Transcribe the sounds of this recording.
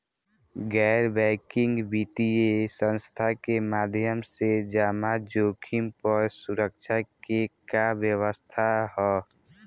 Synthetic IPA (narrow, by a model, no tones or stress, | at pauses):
ɡɛɾbɛːkɪ̃ŋɡbʱit̪iesə̃nst̪ʰakemaːd̪ʱjəmsed͡ʒaːmad͡ʒoːkʰɪmpəɾsuɾək̚ʃʰakekabjəwəst̪ʰaɦɛ